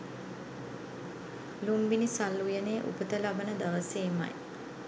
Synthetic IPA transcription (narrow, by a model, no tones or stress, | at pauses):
lumbinisalːujəneːʔṵpət̪əlabənəd̪aʋəseːma̰j